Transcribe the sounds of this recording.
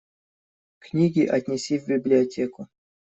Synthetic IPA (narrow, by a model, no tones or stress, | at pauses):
knʲiɡʲiʔɐtʲnʲɪsʲivʲbʲɪblʲɪɐtʲekʊ